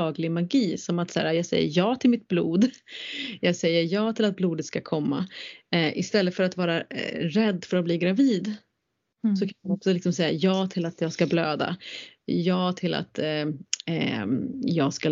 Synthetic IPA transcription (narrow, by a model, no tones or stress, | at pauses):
ɑːɡlɪɡmaɡiːsɔmat̪sæ̰ːɾajɑːsɛ̰jːə̰ɾjɑːt̪ʰɪlmɪt̪̚blṵːd̪ | jɑːɡsɛjːəjɑːt̪ʰɪlat̪̚bluːd̪ət̪skakʰɔmːa̰ʔɪst̪ɛlːət̪fœɾat̪vɑːɾaɾɛd̪ːfœɾat̪bliːɡɾaviːd̪ | sɔkʰanaɔksɔlɪksɔmsɛjːajɑːt̪ʰɪlat̪jɑːɡskabløːd̪a̰jɑːt̪ʰɪlʔa̰t̪ | jɑːɡska